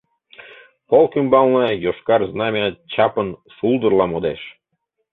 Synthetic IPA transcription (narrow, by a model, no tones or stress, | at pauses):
polkymbɑlˠnəjoʃkɑrznɑmʲɑt͡ɕɑpənʃulˠd̪ərlɑmod̪eʃ